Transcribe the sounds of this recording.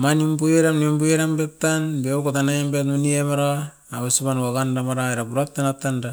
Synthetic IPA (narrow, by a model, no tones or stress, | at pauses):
manimbujeɾamnimbueɾambep̚tanbeukotanajembetmuniemaɾaː | wesibanwaɡandamaɾaeɾabuɾap̚tanatːanda